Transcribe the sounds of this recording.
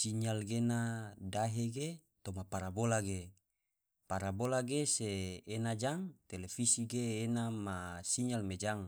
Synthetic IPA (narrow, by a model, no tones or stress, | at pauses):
siɲalɡenadaɦeɡet̪omapaɾabolaɡe | paɾabolaɡeseːnad͡ʒaŋt̪elefisiɡeːnamasiɲalmed͡ʒaŋ